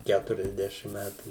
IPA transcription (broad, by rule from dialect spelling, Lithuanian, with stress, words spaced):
ˈkʲætʊrʲɛzʲˌdʲæːʃʲɪm ˈmʲætuː